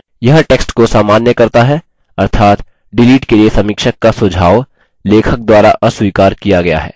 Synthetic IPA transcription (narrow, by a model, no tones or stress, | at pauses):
jɐɦʈeːksʈkosaːmaːnjəkɐɾt̪aɦɛ | ɐɾt̪ʰaːt̪ | ɖɪliːʈkeliesɐmiːkʃəkːasʊd͡ʒʱaːʋ | leːkʰək̚d̪waːɾaʔɐswiːkaːɾkijaɡɐja̰ɦɛ̰ː